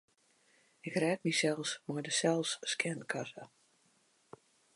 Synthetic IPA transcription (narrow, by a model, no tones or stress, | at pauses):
ɪkrɛːt̚misɛlˠsmɔjdəsɛlˠsskʰɛnkʰasə